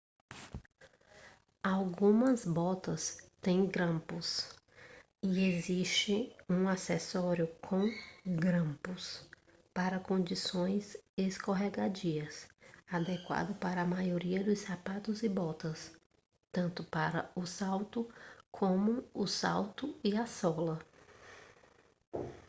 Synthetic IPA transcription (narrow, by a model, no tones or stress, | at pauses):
awɡũmɐzbɔt̪ɐst̪ẽj̃ɡɾɐ̃mpʊs | ieziʃt͡ʃɪũasɛsɔɾjʊkʰõw̃ɡɾɐ̃mpʊs | paɾɐkõnd͡ʒisõj̃zeskoɦɛɡad͡ʒiɐsad̪ɛkwa̰d̪ʊpaɾɐːmajoɾiɐd̪ʊssapat̪ʊzɪbɔt̪ɐs | t̪ɐ̃nt̪ʊpaɾɐʊsawt̪ʊkʰõmʊʊsa̰wt̪ʊiasɔlɐ